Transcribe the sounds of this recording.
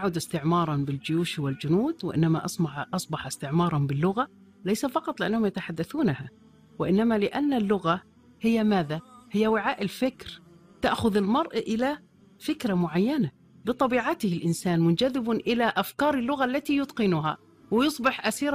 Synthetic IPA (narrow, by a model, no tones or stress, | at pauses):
ʔʕuːd̪ɪst̪ɪʕmɑːɾˤɑnbɪld͡ʒɪjuːʃwɪld͡ʒʊnuːd̪wɪ̰ʔɪ̰nːama̰ʔɑsˤʔɑsˤbɑħɪst̪ɪʕmɑːɾˤɑhʊmbɪlːʊɣa | lajsafɑqɑt̪ˤlɪʔanːahʊmjɪt̪aħad̪ːaθuːnaha | wɪʔɪnːamalɪʔanːalːʊɣa | hɪjːamaːðahɪjːawɪʕaːʔɪlfɪkɾ | t̪aʔxʊðɪlmɑɾˤʔaʔɪla | fɪkɾamʊʕajːana | bɨt̪ˤɑbiːʕat̪ɪhɪlʔɪnsaːnmʊnd͡ʒaðːɪbʔɪlaʔafkɑːɾˤɪlːʊɣaʔlːat̪ijʊt̪qɪnʊɦa̰ | wɪjɨsˤbɪħʔasiːɾˤ